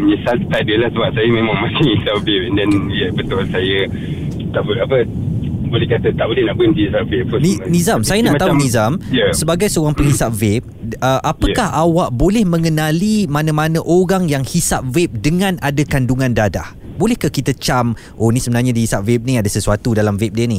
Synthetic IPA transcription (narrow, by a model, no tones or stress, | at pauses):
ɲəsalt̪adəlahsəbap̚sajəmẽmãŋmãsɪŋhisapvɛp̚ndɛnjəpət̪oalsajə | t̪aʔbulapə | bolɛhkat̪ət̪aʔbolɛhnaʔbəinsiisap̚vɛp̚ːʊnnĩzamsajanaʔt̪aɦunnĩzamjəsəbaɡajsəoɣaŋpəŋhisap̚vɛp̚əʔapəkahawaʔbolɛhmə̃ŋənãlimãnãmãnə̃ʔoɾaŋjaŋhisap̚vɛp̚dəŋãnadakanduŋãndada̰h | bolɛhkakit̪at͡ʃam | ʔonisəbənarɲadihisap̚vɛp̚niadasəsuat̪udalamvɛp̚diəni